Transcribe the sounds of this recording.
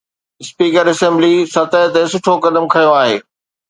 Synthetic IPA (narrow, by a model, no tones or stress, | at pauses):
ɪspiːkəɾɐsɛ̃ːmblisɐt̪ət̪esʊʈʰokɐd̪əmkʰɐjoaːɦḛː